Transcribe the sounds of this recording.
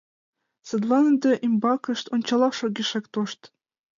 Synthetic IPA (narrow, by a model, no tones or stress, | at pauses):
sɤ̆d̪lɑnəd̪ɤ̆ʔimbɑkɤ̆ʃt̪onʲt͡ɕɑlˠɑʃoɡʲiʃekt̪oʃt̪